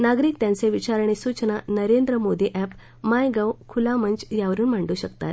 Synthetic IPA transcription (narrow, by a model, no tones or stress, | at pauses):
naɡɾiːk̚t̪jãnt͡seʋit͡ɕaɾɳ̃esut͡ɕnanəɾend̪ɾəmod̪iʔæp | majɡawkʰulamənt͡ɕjaʋəɾuːnm̤aɳɖuːɕəkt̪a̰t̪